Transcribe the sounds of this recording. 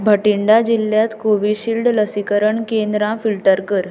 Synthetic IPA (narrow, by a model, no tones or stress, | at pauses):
bʱəʈiɳɖad͡ʑiljat̪koʋiɕilɖləsikəɾəɳkend̪ɾãfilʈəɾkəɾ